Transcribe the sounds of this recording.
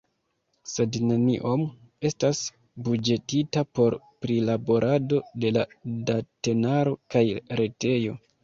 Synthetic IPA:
se̞dne̞niʔo̞m | e̞stas | bud͡ʒe̞titapo̞ɾ | pɾilabo̞ɾʔado̞de̞ladate̞naɾo̞kajɾe̞te̞jo̞

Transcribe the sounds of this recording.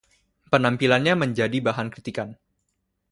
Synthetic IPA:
pənampilanɲaməɲd͡ʒadibaɦankɾit̪ikan

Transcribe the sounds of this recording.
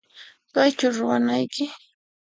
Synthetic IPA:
kajt͡ʃaɾʊwanajkɪ

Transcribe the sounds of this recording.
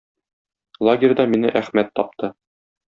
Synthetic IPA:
lˠaɡʲɪrʲd̪ɑminɘʔæχmæt̪ːɒp̚t̪ʰɤ

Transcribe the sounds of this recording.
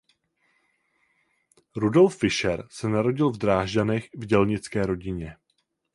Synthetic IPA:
ɾudo̞lfːɪʃɛɾsɛnaɾo̞ɟɪlvdɾaːʒdanɛxvɟɛlɲɪt͡skɛːɾo̞ɟɪɲɛ

